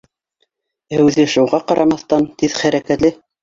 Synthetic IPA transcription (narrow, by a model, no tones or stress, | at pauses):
æwðɘ̆ʃŭwʁɑqɑɾʔɑmɑθt̪ɑnt̪iðχæɾækæt̪lɘ